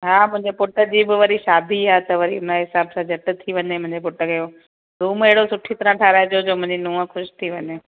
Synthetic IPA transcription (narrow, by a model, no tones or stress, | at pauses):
ɦaːmʊ̃ɦɪ̃ɲd͡ʑepʊʈə̆d͡ʑiːbɪʋɐɾiʃaːd̪ʱiaːt̪ɐʋɐɾiʊnaɦɪsaːbsãd͡ʑʱɐʈt̪ʰiʋɐɲemʊ̃ɦɪ̃ɲd͡ʑep̬ʊʈəɡejo | ɾũːmeɦɪɽosʊʈʰit̪ɐɾãʈʰaːɾaːed͡ʑod͡ʑoːmʊ̃ɦɪ̃ɲd͡ʑinũːə̃xʊʃt̪ʰiʋɐɲeː